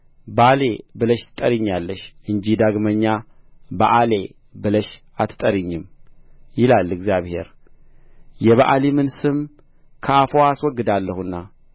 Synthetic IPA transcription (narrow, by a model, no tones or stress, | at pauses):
bale̞bɨləʃt̪ʰɨ̥t̪ʼəɾiɲːalːəʃʔɨɲd͡ʒid̪aɡməɲːaba̰ʔale | bɨləʃ | at̪t̪ʼəɾiɲːɨmjɪlalːɨɡzjaβhe̞̰ɾ | jɛβaʔalimɨnsɨm | kʰəafoaswɔɡːɨd̪alːəhɨnːa